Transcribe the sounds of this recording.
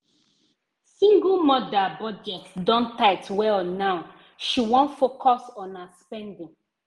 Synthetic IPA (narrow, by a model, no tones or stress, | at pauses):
sĩŋɡulmɔdabɔd͡ʒɛtdɔ̃ntaɪtwɛlnaʊ | ʃiwɔ̃nfokʰɔsɔ̃naspɛ̃ndĩŋ